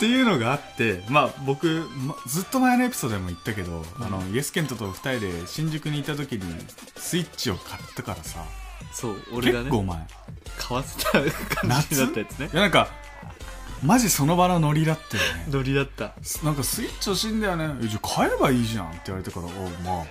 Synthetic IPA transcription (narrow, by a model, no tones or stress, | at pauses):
t̪ːe̞jɯ̟ːno̞ɡaːt̪ːe̞mabo̞kɯ̟md͡zɨt̪ːo̞maeno̞e̞pʲi̥soːd̪oemo̞it̪ːake̞d̪o̞̰a̰no̞jesɨ̥kent̪o̞t̪oɸɯ̟̥t̪aɾʲid̪e̞ɕĩɲ̟d͡ʑɨkɯ̟ɲ̟iːt̪ːat̪̬o̞kʲiɲ̟ḭ | sɨit͡ɕio̞kʰat̪ːakaɾasa̰soːoɾkeeankːoːma̰e | kʰaβase̥t̪akʰãnaaid̪at̪ːajat͡sɨnejanãŋka | maʑiso̞no̞bano̞no̞ɾʲid̪at̪ːajonenoɾʲid̪at̪ːa | snãŋkasɨit͡ɕioɕĩnd̪ajone̞ed͡ʑakʰaeɾbaiːʑã̰nt̪eiβaɾe̞t̪akaɾa̰ːma